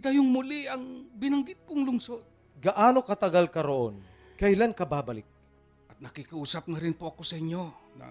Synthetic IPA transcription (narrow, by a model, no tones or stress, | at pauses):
t̪ajoŋmʊliʔɐŋbɪnɐŋɡɪt̪̚kʊŋlʊŋsod̪̚ | ɡɐʔaːno̞kɐt̪ɐɡalkɐɾoʔon | kɐʔɪlankɐbaːbɐlɪk̚ | ʔɐt̪̚nɐkikɐʔuːsɐp̚nɐɾɪnpoʔɐko̞sɐʔɪɲjo̞nɐ̰